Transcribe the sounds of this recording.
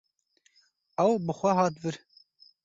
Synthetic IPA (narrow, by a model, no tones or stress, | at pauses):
ɛwbɨxʷɛɦɑːt̪vɨɾ